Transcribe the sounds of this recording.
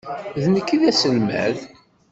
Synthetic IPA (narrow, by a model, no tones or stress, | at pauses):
ðnəkːiðæsəlmæ̰ð